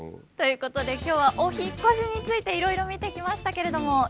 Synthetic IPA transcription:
t̪o̞jɯ̟ːko̞t̪o̞d̪e̞kʲo̞ːβ̞aʔo̞çikːo̞ɕiɲ̟it͡sɨit̪e̞iɾo̞iɾo̞mʲit̪e̞kʲimaɕi̥t̪ake̞ɾe̞d̪o̞mo̞

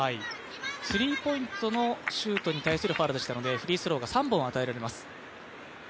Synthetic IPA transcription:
ai | sɨɾʲiːpo̞ĩnt̪o̞no̞ɕɨːt̪o̞ɲ̟it̪aisɨɾɯ̟ɸaːɾɯd̪eɕi̥t̪ano̞d̪e̞ɸɯ̟ɾʲiːsɨɾo̞ːɡasãmbõɰ̃at̪ae̞ɾaɾe̞masɨ̥

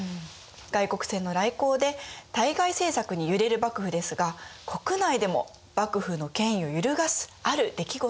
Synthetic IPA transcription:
ɡ̥aiko̞kɯ̟̥sẽ̞nːo̞ɾaiko̞ːd̪e̞t̪aiɡaise̞ːsakɯ̟ɲ̟ijɯ̟ɾe̞ɾɯ̟bakɯ̟ɸɯ̟d̪e̞sɨɡakʰo̞kɯ̟naid̪e̞mo̞̰ | b̥akɯ̟ɸɯ̟no̞kẽ̞ɰ̃ĩo̞jɯ̟ɾɯ̟ɡasɨ̥aɾɯ̟d̪e̞kʲiɡo

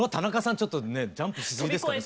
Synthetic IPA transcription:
at̪anakasãɲt͡ɕo̞t̪ːo̞ne̞d͡ʑãmpɯ̟ɕi̥zɨɡid̪eskane

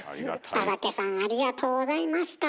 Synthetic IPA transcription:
asakesãɰ̃aɾʲiɡat̪ʰo̞ːzaimaɕi̥t̪a

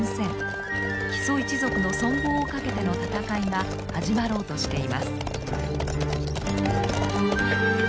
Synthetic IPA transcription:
sẽ̞ŋ | çi̥so̞it͡ɕizo̞kɯ̟no̞sõ̞mbo̞ːokake̞t̪e̞no̞t̪at̪akaiŋa | haʑimaɾo̞ːt̪o̞ɕi̥t̪e̞imasɨ̥

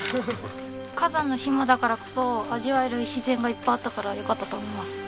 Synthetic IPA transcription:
kazãnːoɕimːad̪akaɾako̞̥so̞aʑiβaeɾɯ̟iɕizẽ̞ŋɡaipːaat̪ːakaɾajokat̪ːat̪o̞ːmo̞imasɨ̥

